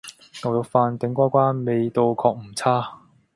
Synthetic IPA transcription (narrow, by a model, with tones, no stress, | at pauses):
kɐ˨˧wjʊ˨˧˩k̚faː˧nt̪ɪ˨˥ŋkʷaː˥kʷaː˥nme˨˧jt̪o˧wkʰɔː˧k̚m̩˨˩t͡sʰaː˥